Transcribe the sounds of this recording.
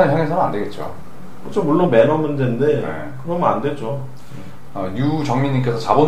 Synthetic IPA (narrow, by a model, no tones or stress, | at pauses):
nçjaŋesʰʌna̰nde̞ɡe̞t̚t͡ɕ͈o̰ | kɯt͡ɕʰomuɭːonme̞nʌmːɯndende̞̰ | kɯɾʌmʌnandwe̞t͡ɕ͈o | e | ʌɲut͡ɕʌŋɲiɲːiŋk͈e̞sʰʌt͡ɕabon